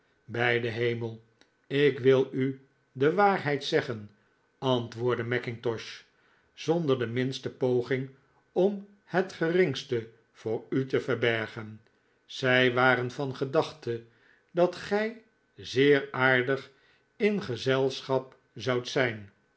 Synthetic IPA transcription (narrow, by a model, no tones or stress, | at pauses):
bɛjdəɦejməlˠ | ɪkʋɪlˠy | dəʋaːɹɦɛjtsɛχən | ɑntʋʊːɹdəmɛkɪŋtɔʃ | z̥ɔndəɹdəmɪnstəpowχɪŋ | ɔm | hətχərɪŋstə | v̥ʊːɹytəfəʁbɛɹχən | z̥ɛjʋaːɾənfɑnχədɑχtə | dɑtχɛj | zɪːɹaːɹdəχ | ɪnχəzɛlˠsχɑp | zɑwtsɛjn